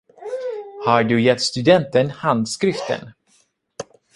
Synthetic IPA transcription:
haɖɵjɛt̪ːst̪ɵd̪ɛnt̪ənhand̪skɾɪft̪ə̰n

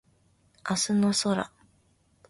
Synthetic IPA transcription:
asɨnosoɾa̰

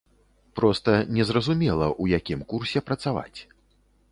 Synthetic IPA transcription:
pɾɔst̪ɐnʲɛzrɐzumʲɛlˠɐ̰ʔujakʲimkursʲɛpɾɐt̪sava̰t͡sʲ

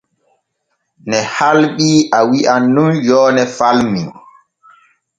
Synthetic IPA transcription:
nɛhalɓiʔawiʔanːunjɔːnɛfalmi

